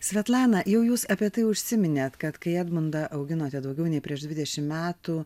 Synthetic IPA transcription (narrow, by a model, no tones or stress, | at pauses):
sʲʋʲɛt̪lˠɑːnɐjɛʊjuːsɐpʲiɛt̪ɐɪʊʃʲsʲɪmʲɪnʲeːt̪kɐt̪kɐɪɛd̪mʊnd̪ɐʔɐʊɡʲɪnoːt̪ʲɛd̪ɐʊɡʲɛʊnʲɛɪpʲɾʲiɛʒd̪ʲʋʲɪd̪ʲɛʃʲɪmmʲæːt̪uː